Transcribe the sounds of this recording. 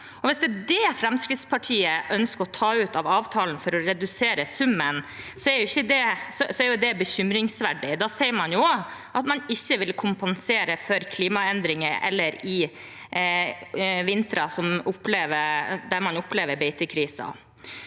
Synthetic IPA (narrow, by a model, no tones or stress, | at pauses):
ɔʋɪsd̪ɛæːɖɛfɾɛmskɾɪt̪spʰɑʈʰiːəʔœnskəɾɔt̪ʰɑːʉːt̪ɑʋɑːʋt̪ʰɑːln̩fɔɾɔɾɛd̪ʉseːɾəsʉmːən | sɔæɾjʊɪçːəd̪ɛsɔsɔæɾjʊd̪ɛbəçʏmɾɪŋsʋæɖɪd̪ɑsɛɪɾmɑnjʊ | ʔɑt̪mɑnɪçːəʋɪlkʰʊmpɛnseːɾəfɔɾkʰliːmɑɛnd̪ɾɪŋəʔɛ̰lːəɾɪ | ʋɪnt̪əɾɑsɔmʊpːleːʋəd̪æɾmɑnʊpːleːʋəɾbeɪt̪əkʰɾiːsɑ̰